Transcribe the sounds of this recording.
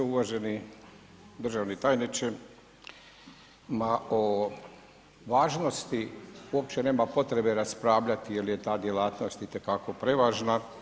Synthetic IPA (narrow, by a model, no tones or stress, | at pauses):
euʋaʒeni | d̪r̩ʒaʋnit̪aːjnit͡ʃe | mao | ʋaːʒno̞st̪iuop̚t͡ʃe̞ne̞ːmapo̞t̪ɾe̞be̞ɾaspɾaːʋʎat̪ijelijet̪aːd̪je̞laːt̪no̞st̪it̪e̞kako̞pɾe̞ʋaːʒna